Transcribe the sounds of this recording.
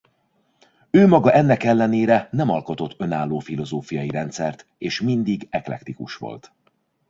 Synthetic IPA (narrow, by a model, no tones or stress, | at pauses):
øːmɒɡɒʔɛnːɛkɛlːɛneːɾɛnɛmɒlko̞t̪o̞t̪ːø̞naːlːoːfilo̞zoːfijɒjiɾɛnt̪sɛrt̪ | eːʃmind̪iɡɛklɛ̰kt̪ikuʃʋo̞̰lt̪